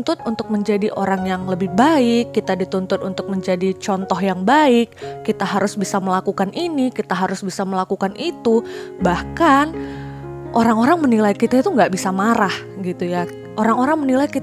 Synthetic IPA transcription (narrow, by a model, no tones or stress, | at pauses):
nt̪ʊt̪̚unt̪ʊk̚məɲd͡ʒadiʔoɾaŋjaŋləbɪhbaɪkːit̪adit̪unt̪ʊt̪unt̪ʊk̚məɲd͡ʒadit͡ʃɔnt̪ɔɦjaŋbaɪkːit̪aɦaɾʊsbisaməlakukaninikit̪aɦaɾʊsbisaməlakukanʔit̪ubahkan | ʔoɾaŋoɾaŋmənilaikit̪ait̪uŋɡaʔbisamaɾah | ɡit̪uja | ʔoɾaŋoɾaŋmənilajkit̪